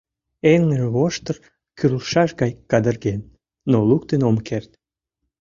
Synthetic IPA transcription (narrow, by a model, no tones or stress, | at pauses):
eŋəʒeβoʃt̪ər | kyrlʃɑʃɣɑjkɑd̪ərɣenː | oluk̚t̪enomkert̪̚